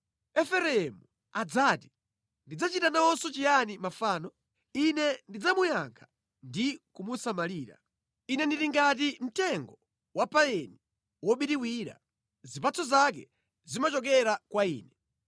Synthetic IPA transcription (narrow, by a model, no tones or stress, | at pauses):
ɛfɛɾɛɛmu | ad͡zaːti̥ | ndid͡zat͡ʃitanaɔsɔt͡ʃijanimafaːnɔ | inɛndid͡zamujaŋkʰḁ | ndikumusamaliːɾa̰ | inɛndiɾiŋɡatim̩tɛŋɡɔ | wapaɛni | wɔɓiɾiwiːɾa̰ | zipat͡sʰɔzak̬ɛ̰ | zimat͡ʃɔk̬ɛɾakwaiːnɛ